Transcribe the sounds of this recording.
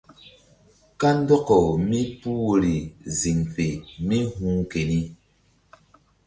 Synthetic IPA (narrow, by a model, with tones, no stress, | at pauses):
ka˦n˦dɔ˦kɔ˨mi˦pu˦wo˨ɾi˨zi˨ŋfe˨mi˦ɦu˦ŋke˨ni˦